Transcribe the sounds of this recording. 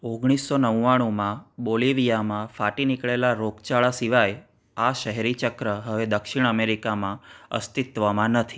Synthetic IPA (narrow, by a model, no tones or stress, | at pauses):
oɡɽ̃isːonəʋːaɽ̃umãboliʋijamãfaʈinikɭelaɾoɡt͡ʃaɭasiʋaj | aʃəɦɛɾit͡ʃəkɾəɦəʋed̪əkʃiɽ̃əmeɾikamãə̰st̪it̪ʋəmãnət̪ʰi̥